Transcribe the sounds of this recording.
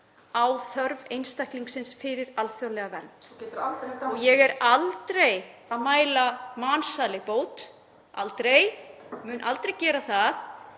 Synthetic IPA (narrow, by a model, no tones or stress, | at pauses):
awθœɾvejnst̪ajhkliŋksɪnsfɪɾɪɾalfjawlɛɣavɛnt̪ | ɔjɛɣɛɾalt̪ɾej | aðmaːjlamaːnsaːlɪpoːwt̪ | a̰lt̪ɾejmʏːnʔalt̪ɾejcɛːɾaθað